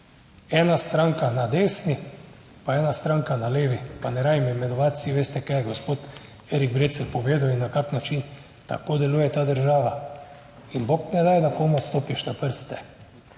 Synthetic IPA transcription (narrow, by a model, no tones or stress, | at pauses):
ɛːnast̪ɾaŋkanad̪eːsni | paɛːnast̪ɾaŋkanaleːʋipanɛɾaːdimimɛnɔʋat̪siʋeːst̪ɛkajɛɡospoːt̪ | eɾiɡ̚bɾeːt̪sɛlpɔʋeːd̪awinːakaknat͡ʃin | t̪a̰koːd̪ɛluːjɛt̪aːd̪əɾʒaːʋa | inbok̪nɛd̪ajd̪akomast̪oːpiʃnapəɾst̪ɛ̥